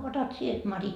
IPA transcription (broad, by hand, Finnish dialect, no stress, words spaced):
otɑt sie mɑri